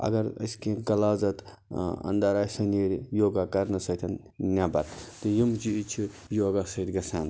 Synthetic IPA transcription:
ɐ̰ɡɐɾɐ̰skeɡɐlaːzɐt̪ | ɐ̰nd̪aɾaːjsɐneɾjoːɡakɐɾnɐsɐkt̪ʰɐn | nʲabɐ̰ɾt̪ɨjimt͡ʃiit͡ʃʰi | joɡasɐit̪ɡɐsʰaːn

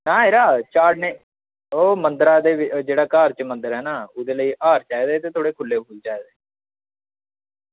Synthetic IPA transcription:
nãːɦeːɾaːt͡ʃaːʈneː | oːmənd̪əɾaːd̪eːɪd͡ʒeːɽaːkaːɾt͡ʃmənd̪əɾɦɛːnaːʊd̪eːləiːʔaːɾt͡ʃaːeːd̪eːt̪eːt̪ʰoːɽeːkʰʊleːbuːlt͡ʃaːeːd̪eː

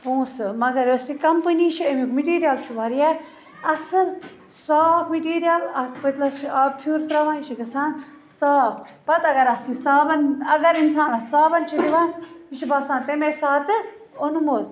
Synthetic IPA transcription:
pũːsɨmɐɡɐɾosikɐmpɨniːʃʰiemikmiʈiːɾijalt͡ʃʰuʋɐɾijaː | ɐsɨl | saːpʰmiʈiːɾijalɐpɐt̪lɐst͡ʃʰiaːpʰjuːɾt̪ɾɐʋãːniʃiɡɐsãːn | saːp | pɐt̪ɐɡɐɾɐst̪ĩːsaːbɐnɐɡɐɾinsaːnɐssaːbɐnt͡ʃʰid̪iʋaːniʃibaːsaːnt̪emeːsaːt̪ɨ | onumoːt̪

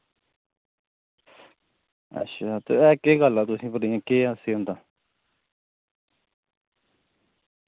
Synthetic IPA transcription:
ə̰tːʃʰaːt̪ḛɛːkeːɡəlaːt̪ʊsĩːpəɽjãːkeːaseːɦõnd̪ãː

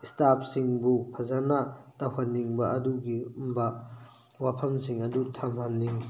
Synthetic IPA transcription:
istap̚ʰsiŋbupʰɐzanatahanːiŋbɐʔɐduɡiumbɐ | wapʰɐmsiŋɐdutʰamhanːiŋ

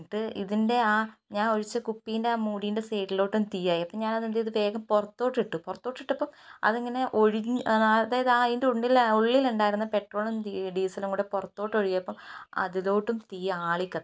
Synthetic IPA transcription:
ʈːɨḭðinde̞aːɲaːno̞ɻit͡ɕːɐkupːijinde̞aːmuːɽijnde̞seːʈːilo̞ːʈːumt̪iːjaːjiɐpːɐmɲaːnɐðend̪iɐðɨʋe̞ːɡɐmporɐt̪ːoːʈːiʈːuporɐt̪ːo̞ːʈːiʈːɐpːɐmɐ̰ðeŋːɐne̞ʔo̞ɻiɲðaːjɐðɨaːjindeuɳɖiloɭːiluɳɖaːjiɾunːɐpe̞ʈro̞ːɭɐmd̪iɖiːsɐlumŋkuːɽeporɐt̪ːo̞ːʈːo̞ɻikːɐpːɐmɐ̰ðilo̞ːʈːumt̪iːjaːɭikʲːɐð

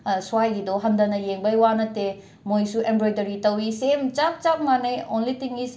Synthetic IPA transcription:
suwajɡidoɦɐndɐnɐjeŋbɐjwanɐte | mojsuʔembɾojdɐɾitɐwisemt͡ʃap̚t͡ʃap̚manɐjonlitiŋɡis

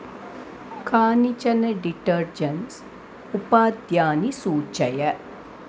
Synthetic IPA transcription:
kʰaːnit͡ʃɐnɐɖiʈɐɾd͡ʒɐns | upaːd̪jaːnisuːt͡ʃɐjɐ

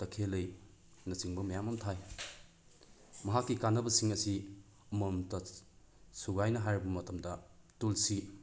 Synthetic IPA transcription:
tɐkʰelɐj | nɐt͡ʃiŋbɐmɐjamɐmtʰaj | mɐɦakːikanːɐbɐsiŋɐsi | ɐmɐmtɐ | suɡajnɐɦajɾɐbɐmɐtɐmdɐtulsi

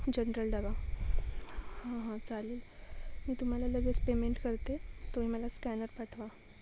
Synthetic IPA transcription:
d͡ʑənəɾəlɖəɡa | hãɦãt͡saliːlmiːt̪um̤alaləɡət͡spemeɳʈkəɾt̪et̪oɦiməlaskænəɾpaʈʰʋa

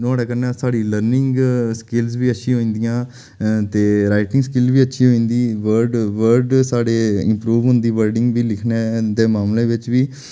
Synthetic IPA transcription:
naːɽeːkəɾneːsaːɽiːləɾnɪŋɡskɪlsʋiːətːʃʰĩːɦoːĩːnd̪ijãː | t̪eːɾaːɪʈɪ̃ŋɡskɪlʋiːətːʃʰĩːɦoːĩːnd̪iːʋəɾɖʋəɾɖsaːɖeːɪ̰mpɾuːʋɦʊ̃nd̪iːʋəɾɖɪŋɡʋiːlɪkʰneːd̪eːmaːmlẽːʋɪt͡ʃʋiː

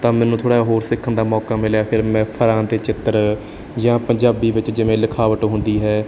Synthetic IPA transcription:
t̪ãːmɛ̃ːnũːt̪ʰoːɽaːɦoːɾsɪkʰːənd̪aːmɔːkaːmɪljaːpʰɪɾmɛ̃ːpʰəɾãːt̪eːt͡ʃɪt̪ːəɾ | d͡ʒãːpəɲd͡ʒaːbiːʋɪt͡ʃd͡ʒɪʋẽːlɪkʰaːʋəʈɦʊ̃nd̪iːɦɛː

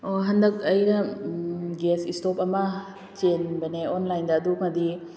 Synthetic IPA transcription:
oɦɐndɐk̚ɐjɡɐ | ɡesistopɐmɐ | t͡ʃenbɐneonlajndɐːduŋɐdi

